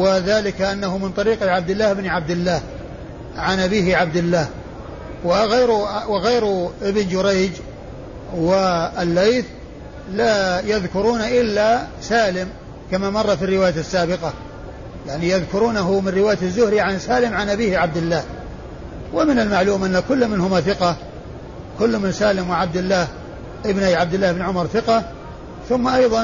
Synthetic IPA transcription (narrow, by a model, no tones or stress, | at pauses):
wɪðaːlɪkʔanːaɦʊmɪnt̪ˤɑɾiːqʕab̚d̪ɪlːaːhɪbniʕab̚d̪ɪlːaːh | ʕanʔabiːhɪʕab̚d̪ɪlːaːh | wɪɣajɾwɪɣaːɾʔɪbɪnd͡ʒʊɾejd͡ʒ | wɪalːejθ | laːjaðkʊɾuːnaʔɪlːasaːlɪm | kamamɑrˤːɑfirːɪwaːjasːaːbɪqɑ | jaʕnijaðkʊɾuːnaɦʊmɪnrɪwaːjaazːʊhɾiʕansaːlɪmʕanʔabiːhʕab̚d̪ɪlːaːh | wɪmɪnalmaʕluːmʔanːakʊlːmɪnhʊmaθɪqɑ | kʊlːmɪnsaːlɪmwɪʕab̚d̪ɪlːaːh | ʔɪbnajʕabd̪ɪlːaːhɪbɪnʕʊmɑɾˤθɪqɑ | θʊmːaʔɑjðˤɑ